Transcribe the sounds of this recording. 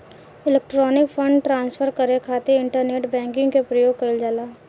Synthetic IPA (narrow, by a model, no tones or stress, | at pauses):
ɪleːk̚ʈɾɔːnɪkfʰə̃ɳɖʈɾãːnsfʰəɾkəɾekʰaːt̪eɪ̃ɳʈəɾneːʈbɛ̃ːŋkɪ̃ŋɡkepɾəjoːɡ̚kəɪld͡ʒaːlaː